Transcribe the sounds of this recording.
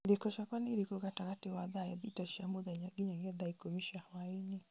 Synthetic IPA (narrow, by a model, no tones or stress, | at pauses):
dikɔʃakwaniiɾikukatakatiwaðajɛðitaʃamuðaɲaɡiɲaɡɛðaikɔmiʃahawaini